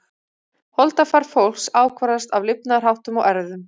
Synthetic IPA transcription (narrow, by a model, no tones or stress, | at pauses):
hɔlt̪afaɾ̥fowl̥ksaːwkʰvaɾast̪avlɪpnar̥awht̪ʏmɔʔɛɾðʏm